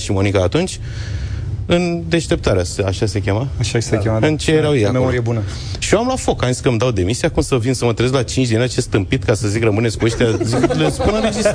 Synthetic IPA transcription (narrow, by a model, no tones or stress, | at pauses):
ʃimo̞nikaːt̪unt͡ʃʲ | ɨnd̪e̞ʃt̪e̞p̚t̪aɾeasaʃasekʲe̞maaʃḁsekʲemaɨnt͡ʃejeɾawjejakmeoɾijebunə | ʃioamlafo̞kansʲkəmd̪awd̪e̞misijakumsəvinsəmət̪ɾieelat͡ʃint͡ʃd̪ʲinat͡ʃest̪ɨmpit̪kasəzikrəmɨnesʲkueʃt̪eaziklespunəɾed͡ʒis